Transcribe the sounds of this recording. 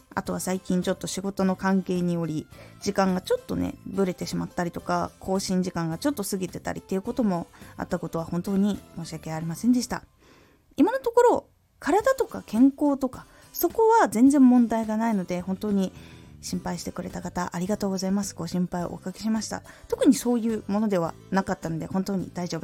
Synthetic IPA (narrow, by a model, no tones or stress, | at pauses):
a̰t̪o̞βasaikʲĩɲ̟t͡ɕo̞t̪ːo̞ɕiɡo̞t̪o̞no̞kãŋke̞ːɲ̟io̞ɾʲid͡ʑikãŋɡat͡ɕo̞t̪ːo̞̰nḛbɯ̟ɾe̞t̪e̞ɕimat̪ːaɾʲit̪o̞kakʰo̞ːɕĩɲ̟d͡ʑikãŋɡat͡ɕo̞t̪ːo̞sɨɡʲit̪e̞t̪a̰ɾʲḭt̪ːeiɯ̟ko̞t̪o̞mo̞a̰t̪ːako̞t̪o̞βahõ̞nt̪o̞ːɲ̟imo̞ːɕiake̞aɾʲimasẽ̞nd̪e̞ɕi̥t̪a̰ | imano̞t̪o̞ko̞ɾo̞ | kʰaɾad̪at̪o̞kakʰẽ̞ŋko̞ːt̪o̞ka | so̞ko̞βazẽ̞nd͡zẽ̞mːõ̞nd̪aiɡanaino̞d̪e̞hõ̞nt̪o̞ːɲ̟iɕĩmpaiɕi̥t̪e̞kɯ̟ɾe̞t̪akat̪aʔaɾʲiɡat̪oːɡo̞zaimasɨ̥ɡo̞ːɕĩmpaio̰ʔo̰kakʲi̥ɕimaɕi̥t̪a̰ | t̪o̞kɯ̟ɲ̟iso̞ːjɯ̟ːmo̞no̞d̪e̞β̞a̰ | nakat̪ːano̞d̪e̞hõ̞nt̪o̞ːɲ̟ḭd̪̥aiʑo̞ːb